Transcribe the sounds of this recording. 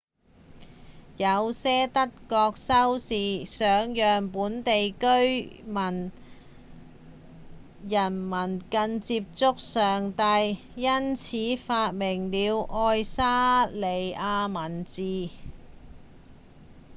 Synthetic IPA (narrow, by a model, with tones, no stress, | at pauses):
jɐ˨˧wsɛː˥t̪ɐ˥t̚kɔː˧k̚sɐ˥wsiː˨sœː˨˧ŋjœː˨ŋpuː˨˥nt̪e˨jkɵ˥ɥmɐ˨˩n | jɐ˨˩nmɐ˨˩nkɐ˧nt͡siː˧p̚t͡sʊ˥k̚sœː˨ŋt̪ɐ˧j | jɐ˥nt͡sʰiː˨˥faː˧t̚mɪ˨˩ŋliː˨˧wʔɔː˧jsaː˥le˨jaː˧mɐ˨˩nt͡siː˨